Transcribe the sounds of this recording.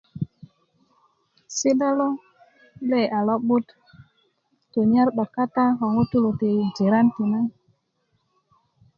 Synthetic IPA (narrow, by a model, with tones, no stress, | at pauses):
si˦da˦lo˦ | le˦˨a˨lɔ˦bu˦t | tu˨ɲa˦ɾɗɔ˨kːa˦ta˦ɦɔ˨ŋu˦tu˦lu˨ti˨d͡ʒi˨ɾa˦nti˨na˦ŋ